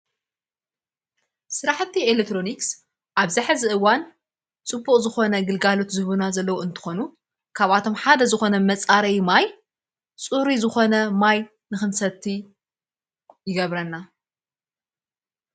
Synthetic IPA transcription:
sɨɾaħt̪ʰːielek̚t̪ɾo̞niks | ʔaβzaħɨzɨʔɨwan | t͡sʼɨbːuχʼzɨxo̞nɐɡɨlɡalo̞t̪zɨhβunazɐlːɐwoɨnt̪ʰɨ̥xo̞nu | kʰaβat̪ʰo̞mħad̪ɐzɨxo̞nɐmɐt͡sʼaɾɐjmaj | t͡sʼuɾizɨxo̞nɐmaj | nɨxɨnsɐt̪ʰːi | jɪɡɐβɾɐnːa

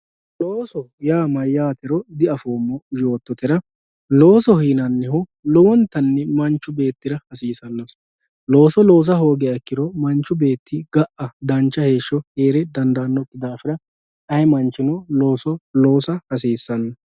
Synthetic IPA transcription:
loːsɔjaːmɐjːaːt̪ɪɾɔd̪ɪɐfoːmːɔjo̞ːt̪ːɔt̪ɪɾɐ | loːsɔhiːnɐnːɛhʊlɔwɔnt̪ːɐnːɛmɐnt͡ʃːʊbe̞ːt̪ːɪɾɐhɐsiːsɐnːɐs | lo̞ːsɔlo̞ːs̬ɐɦo̞ːɡɛɐkːɪɾɔmɐnt͡ʃːʊbe̞ːt̪ːɪɡɐʔɐd̪ɐnt͡ʃːɐhe̞ːʃːɔheːɾɛd̪ɐnd̪ɐːnːɔkːɪd̪aːfɪɾɐ | ɐjɛmɐnt͡ʃːɪnɔlo̞ːsɔlo̞ːsɐhɐs̬iːsːɐnːɐ

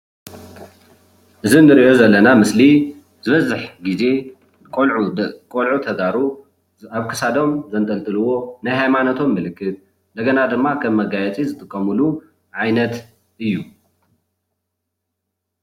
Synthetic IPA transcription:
ʔɨzinːɨɾiʔo̞zɐlːɐnamɨsli | zɨβɐzɨħɡize̞ | kʼkʼolʕut̪ʰɐɡaɾu | aβkʰɨsad̪o̞mzɐnt̪ʼɐlt̪ʼɨlɨwo̞najɦajmanot̪ʰo̞mːɨlɨkʰːɨt̪̚ | nd̪ɐɡɐnad̪ɨmːakʰɐmːɐɡajɛt͡sʼizɨt̪ʼɨkʼːɐmulu | ʕajnɐt̪ | ʔɨjːu

